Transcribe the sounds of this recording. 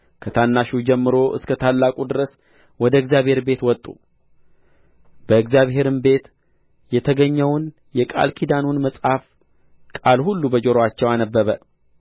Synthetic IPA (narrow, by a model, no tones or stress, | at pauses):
kʰət̪ʰanːaʃud͡ʒɛmːɨɾo̞ʔɨ̰skʰət̪ʰalːakʼud̪ɨɾəs | wɔd̪əɨɡzjaβhe̞ɾbe̞t̪wɔt̪ʼṵ | b̥əɨɡzjaβɦe̞ɾɨnbe̞t̪ | jɛt̪ʰəɡəɲːɛwn | jɛkʼa̰lkʰid̪anunməsʼhaf | kʼalhulːubəd͡ʒoɾoat͡ʃːɛwanəbːəβə